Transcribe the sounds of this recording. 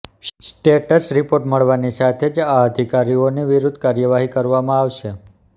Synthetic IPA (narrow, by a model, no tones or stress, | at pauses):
ssʈeʈəsɾipoɾʈməɭʋanisat̪ʰed͡ʒaəd̪ʱikaɾioniʋiɾud̪ʱkaɾjəʋaɦikəɾʋamãaʋʃe